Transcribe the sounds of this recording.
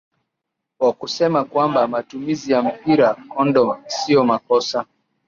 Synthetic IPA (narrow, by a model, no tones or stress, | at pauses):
wakusɛmakwambamatumizijam̩piɾakɔndɔsiɔmakɔsa